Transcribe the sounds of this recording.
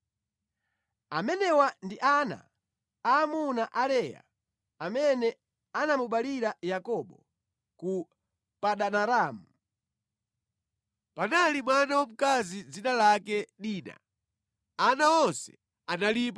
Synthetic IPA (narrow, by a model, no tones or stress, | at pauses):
amɛnɛwandiʔana̰ | aːmunaʔalɛja̰ | amɛnɛ | anamuɓaliɾajakɔɓɔ | ku | paɗanaɾaːmu | panalimwanawɔm̩kazid͡zinalakɛɗiːna̰ | anaɔnsɛ̥̰ | analip̬a